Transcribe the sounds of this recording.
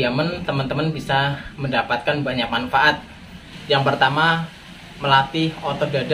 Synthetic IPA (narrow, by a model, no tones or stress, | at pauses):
amənt̪əmənt̪əmənbisaməndapat̪̚kanbaɲak̚manfaʔat̪̚ | jaŋpərt̪ama | məlat̪ihɔt̪ɔhdada